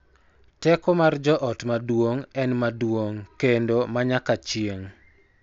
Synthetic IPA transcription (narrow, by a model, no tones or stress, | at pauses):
tɛkɔmard͡ʒɔʔɔtmadwoŋɛnmadwoŋkendomaɲakat͡ʃieŋ